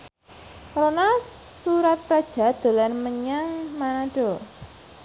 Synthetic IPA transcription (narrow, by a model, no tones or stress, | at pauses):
ronasuɾat̪̚pɾad̥ʒ̥a̤d̪̥o̤lanməɲaŋmanaɖ̥o̤